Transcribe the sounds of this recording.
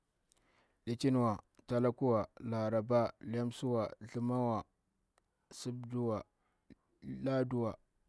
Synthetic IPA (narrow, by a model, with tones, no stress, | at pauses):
ɗi˨t͡ʃi˦n˨wa˨ta˨la˦ku˦wa˨la˨ɾa˨ba˦la˦msu˦wa˨ɮi˨ma˦wa˨ | si˦bdu˦wa˨ | la˦du˦wa˨